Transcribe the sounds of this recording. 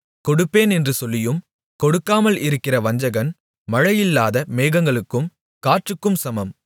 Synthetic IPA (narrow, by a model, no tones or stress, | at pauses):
kɔɽɯpːeːnɛndrɯsɔlːɪjɯm | kɔɽɯkːaːmɐlɪɾɯkːɪrɐʋɐɲd͡ʒɐɣɐn | mɐɻɐjɪlːaːðɐmeːɣɐŋɡɐɭɯkːɯm | kaːʈrɯkːɯmsɐmɐm